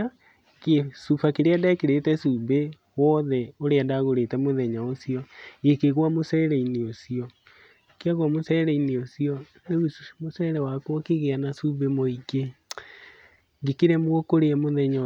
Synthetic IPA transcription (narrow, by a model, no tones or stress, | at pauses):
kesufakeɾeadakeɾetɛsube | wɔðɛoɾeadaɣoɾetɛmoðɛɲaosiɔekeɣwamosɛːɾɛineosiɔ | keaɣwamosɛɾɛineosiɔ | neumosɛɾɛwakwɔkeɣeanasubemoike | ŋɡekeɾɛmwokoɾeɛmoðɛɲa